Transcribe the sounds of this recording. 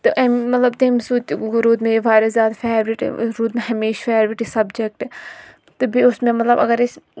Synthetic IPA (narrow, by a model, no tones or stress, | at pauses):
t̪ɨʔɐmmɐt̪lɐbt̪eːmsuːt͡ʃɡɾuːd̪meiʋaːɾɐzjaːd̪feːɾɾɪʈɾuːd̪mẽɦɐmeːʃfɛːɾʋɪʈisɐbd͡ʒek̚ʈɛ | t̪ɨbiʊsmẽmɐt̪lɐbɐ̰ɡɐɾɪs